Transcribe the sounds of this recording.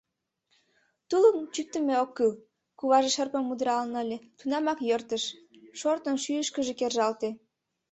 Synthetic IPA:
t̪ulənt͡ɕyk̚t̪əmeokːɯl | kuβɑʒeʃərpəmːud̪ɾɑlnəəlʲet̪unɑmɑkjərt̪əʃ | ʃort̪ənʃyəʃkəʒekerʒɑlt̪e

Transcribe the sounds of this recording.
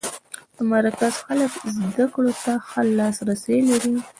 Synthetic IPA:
d̪̥əmaɾkazxaləkzd̪akɽot̪axəlːɑsɾaselaɾi

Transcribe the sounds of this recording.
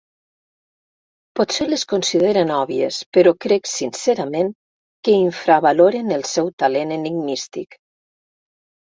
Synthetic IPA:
pot̪seleskonsiðeɾenɔβiespəɾɔkɾɛksinseɾamen | kəiɱfɾaβaloɾenəlˠsɛwt̪aleneniɡnist̪ik

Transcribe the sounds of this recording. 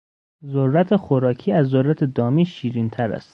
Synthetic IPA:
zoɾːæt̪ʰexoɾɒːkʰiːæzːoɾːæt̪ʰed̪ɒːmiːʃiːɾint̪ʰæɾæ̰st̪

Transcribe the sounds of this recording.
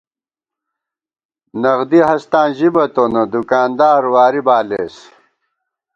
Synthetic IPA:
nɐɣd̪iɦɐst̪ãːʑibɐt̪onɐd̪ukaːnd̪aːɾwaːɾibaːleːs

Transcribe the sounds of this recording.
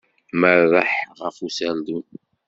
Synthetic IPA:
mərːəħʁəfusæld̪un

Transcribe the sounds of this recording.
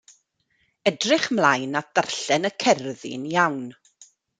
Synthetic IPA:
ɛdrɪχmlajnad̥arɬɛnəkʰɛrðɪ̰njawn

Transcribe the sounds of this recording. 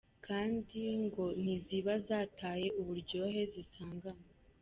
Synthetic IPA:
kʰaːndiŋɡo̞n̥iziβazaːtʰaːje̞uβuɾɟo̞ːɦe̞zisaːŋɡama

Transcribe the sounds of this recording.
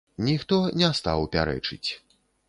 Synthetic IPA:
nʲixt̪ɔnʲɛst̪a̰wpʲaɾɛ̰t͡ʂɨt͡sʲ

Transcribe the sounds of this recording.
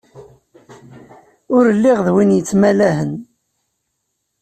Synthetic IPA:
ʊɾəlːiʁðwinjət͡sːmælæɦən

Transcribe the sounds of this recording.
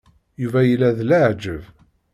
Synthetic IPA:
juvæjəlːæðlaʕd͡ʒəv

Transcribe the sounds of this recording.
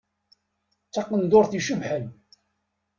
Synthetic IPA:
t͡sːɑqːənd̪oɾθiʃəvħən

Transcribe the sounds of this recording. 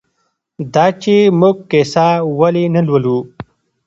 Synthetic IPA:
d̪aːt͡ʃemuɡ̚kesawalinɐlwəlu

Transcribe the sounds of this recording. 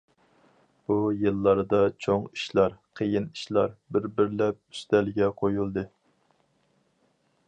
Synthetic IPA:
b̥ujɨlˠːɑɾd̪ɑt͡ʃʰoŋi̥ʃlˠɑɾqʰəjiniʃlˠɑ̰ɾbɪɾbɪɾlɛp̚y̥st̪ɛlɡʲɛqʰojulˠd̪ɨ

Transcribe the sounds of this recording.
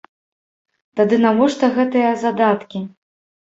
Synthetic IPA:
t̪ad̪ɨnavɔʂt̪ɐɣɛt̪ɨjɐzad̪at̪kʲi

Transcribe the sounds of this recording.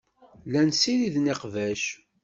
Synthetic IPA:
lænsiðiðniqvæʃ

